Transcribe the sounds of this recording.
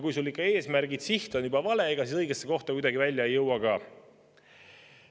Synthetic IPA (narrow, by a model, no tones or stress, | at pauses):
kujsulːikːɑe̞ːsmæɾɡid̪̥siht̪onubɑvɑle̞ːɡ̥ɑsisɤjɡ̥esːeko̞ht̪ɑkujd̪ɑɡivælʲːjɑejːɤwɑɡ̥ɑː